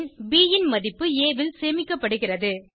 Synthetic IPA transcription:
nbiːjɪnmɐðɪpːɯeːʋɪlseːmɪkːɐpːɐɽɯɣɪrɐðɯ

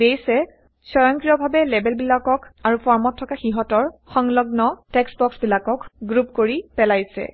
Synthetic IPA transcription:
dejsɛ | sɔjɔŋkɹijɔbʱabɛlɛbɛlbilakɔkaɹupɔɹmɔtʰːɔkaxiɦɔtɔɹxɔŋlɔɡnɔtɛksbɔksbilakɔkɡɹupkoɹipɛlajsɛ̰

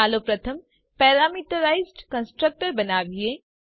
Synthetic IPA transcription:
aːloːpɾɐt̪ʰəm | pɛːɾaːmiʈəɾaːɪzɖkə̃nsʈɾək̚ʈəɾbɐnaːʋie

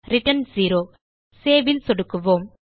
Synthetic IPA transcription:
ɾɪʈːɐnsiːɾoː | seːʋɪlsɔɽɯkːɯʋoːm

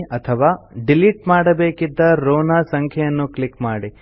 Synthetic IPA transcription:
ɐt̪ʰɐʋaːɖiliʈmaːɽɐbeːkid̪ːɐɾoːnaːsɐŋkʰjɐjɐnːuklikmaːɽi

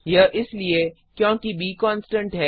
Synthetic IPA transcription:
jɐʔɪslie | kjõːkibiːkɔːnsʈə̃ɳʈɦɛː

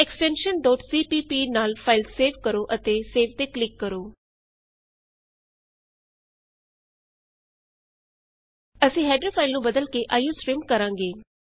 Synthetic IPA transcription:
ɛksʈɛ̃ːnʃənɖɔːʈsiːpiːpiːnaːlpʰaːɪlsseːʋkəɾoːʔət̪eːseːʋt̪eːklɪkːəɾoː | əsĩːɦɛːɖəpʰaːɪlnũːbəd̪əlkeʔaːjũːsɾɪmkəɾãːŋɡeː

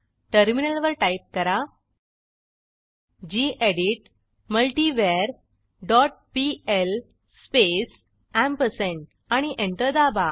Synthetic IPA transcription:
ʈəɾminəlʋəɾʈaip̚kəɾa | d͡ʑiʔeɽiʈ̚ | məlʈiʋeɾ | ɖɔʈ̚piel | spes | æ̃mpəseɳʈ | aɽ̃iʔeɳʈəɾd̪aba

